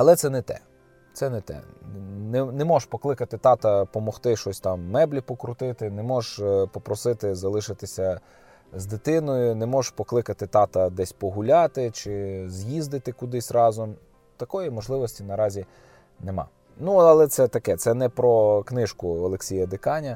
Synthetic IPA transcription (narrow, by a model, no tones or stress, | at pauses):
ɐlˠɛt̪sɛnɛt̪ɛ̰ | t̪sɛnɛt̪ɛ̰nɛnemɔʒpɔklˠɪkɐt̪ɪt̪ɑt̪ɐpɔmɔxt̪ɪʃɔsʲt̪ɑmːɛblʲipɔkɾʊt̪ɪt̪ɪnemɔʒpɔpɾɔsɪt̪ɪzɐlˠɪʃɪt̪ɪsʲɐ | zd̪ɪt̪ɪnɔjʊnemɔʒpɔklˠɪkɐt̪ɪt̪ɑt̪ɐd̪ɛsʲpɔɦʊlʲɑt̪ɪt͡ʃɪzʲjizd̪ɪt̪ɪkʊd̪ɪsʲrɑzɔm | t̪ɐkɔjimɔʒlˠɪʋɔsʲtʲinɐɾɑzʲi | nemɑ̰ | nuɐlˠɛt̪sɛt̪ɐkɛt̪sɛnɛpɾɔknɪʃkʊɔlˠeksʲijɐd̪ɪkɑnʲɐ